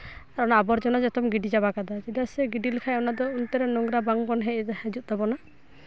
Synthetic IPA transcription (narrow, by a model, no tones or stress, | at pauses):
aɾɔnaːbɔɾd͡ʒɔnɔd͡ʒɔt̪ɔmɡiɖid͡ʒabakad̪ɔd͡ʒid̪asɛɡiɖilikʰajɔnad̪ɔunt̪ɛɾɛnɔŋɡɾabaŋbɔnɦɛʔhɛd͡ʒut̪̚d̪ɔbɔna